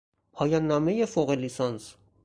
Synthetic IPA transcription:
hɑjɑnːɑmɛjɛfɔʁɛlisɑns

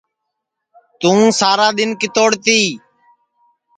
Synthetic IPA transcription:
t̪ũːsaːɾaːɗ̪ɪnkɪt̪oːɽt̪iː

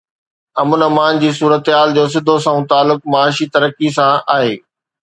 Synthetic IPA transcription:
ɐmʊnɐmaːnd͡ʑiːs̬uːɾət̪ɦaːld͡ʑoːs̬ɪd̪ʱosãũt̪aːlːʊk̚mɐaːʃit̪ɐɾəkisãaːɦeː

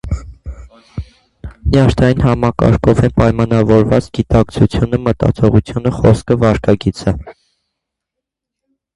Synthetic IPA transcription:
njɑɾt̪ʰɑjinhɑmɑkɑ̰ɾkʰɔvɛnpɑjmɑnɑvɔɾvɑt͡sɡit̪ɑk̚t͡sʰut͡sʰjunəmət̪ɑ̰t͡sʰɔʁut͡sʰjunəχɔskʰəvɑɾkʰɑɡit͡sʰə

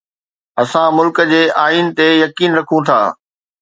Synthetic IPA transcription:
ɐsãmʊlkəd͡ʑeːʔaːiːnt̪ejɐkiːnɾɐkʰũt̪ʰa̰ː

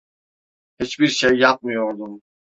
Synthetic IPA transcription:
hit͡ʃbiɾʃejːap̚mijoɾd̪um

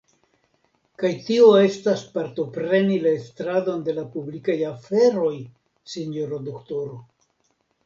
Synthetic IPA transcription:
kajtio̞e̞staspaɾto̞pɾe̞nilae̞stɾado̞nde̞lapublikajafe̞ɾo̞j | siɲjo̞ɾodokto̞ɾo̞

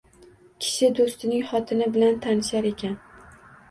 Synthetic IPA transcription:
kʲʰɪ̥ʃɪd̪ost̪ɪnɪŋχɒt̪ʰɪnɪbɪlant̪ʰanɪʃaɾe̞kʲʰan

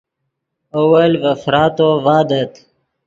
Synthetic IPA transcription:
owɐlvɐfɾɑːt̪ovɑːd̪ət̪

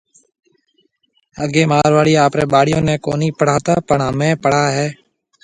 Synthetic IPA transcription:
əɡeːmaːɾʋaːɽiːaːpɾeːɓaːɽɪjõːnẽːko̰ːniːpəɽ̤aːt̪aːpəɳaːmẽːpəɽ̤aːɦɛː

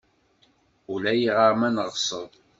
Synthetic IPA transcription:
ulæjiʁəɾmænəʁsˤəðˤ

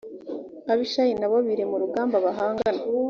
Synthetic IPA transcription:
aβiʃajinaβoβiɾemuɾuɡaːmbaβaɦaːŋɡana

